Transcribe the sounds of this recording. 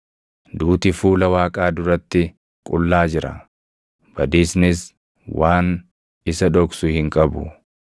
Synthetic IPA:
d̪uːt̪ɪfuːlɐwaːkʼaːd̪ʊɾɐt̪ːɪ | kʼʊlːaːd͡ʒɪɾɐ̰ | b̥ɐd̪iːsnɪs | waːn | ɪsɐᶑɔksʊhɪŋkʼɐbʊ̰

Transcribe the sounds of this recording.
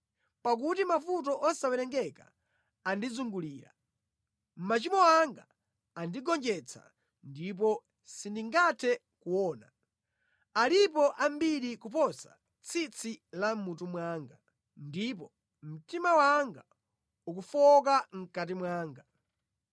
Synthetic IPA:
pak̬utimafut̬ɔʔɔsawɛɾɛŋɡɛka̰ː | ndizuŋɡuliːɾa̰ | m̩mat͡ʃimɔaŋɡa | andiɡɔnd͡ʒɛt͡sʰa̰ | ndip̬ɔ | sindiŋɡatʰɛ | kuwɔːna | alip̬ɔʔambiɾikup̬ɔsa̰ | t͡sʰit͡sʰilam̩mut̬umwaŋɡa | ndip̬ɔ | m̩timawaŋɡa | uk̬ufɔk̬aŋ̩kat̬imwaːŋɡa

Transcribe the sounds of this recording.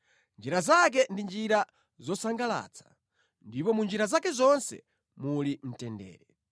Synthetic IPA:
nd͡ʒiɾazak̬ɛndind͡ʒiɾa | zɔsaŋɡala̰t͡sʰḁ | ndipɔmund͡ʒiɾazakɛzɔnsɛ̰ | mulim̩tɛndɛ̰ːɾɛ

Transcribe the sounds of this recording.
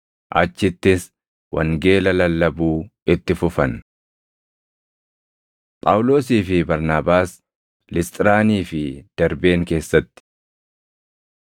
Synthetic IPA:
ʔɐt͡ʃːɪt̪ːɪs | wʔɐ̰ŋɡe̞ːlɐlɐlːɐbuːɪt̪ːɪfʊfɐn | pʼa̰ːwlo̞ːsiːfɪbɐɾnaːbaːs | lɪst̪ʼɪɾaːniːfɪd̪̥ɐɾbe̞ːŋke̞ːsːɐt̪ːɪ̥

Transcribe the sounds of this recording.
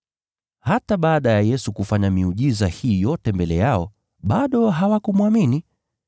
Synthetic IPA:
hataɓaːɗajajɛsukufaɲamiuʄizahiːjɔtɛmbɛlɛjaɔ | ɓaɗɔɦawakumwamini

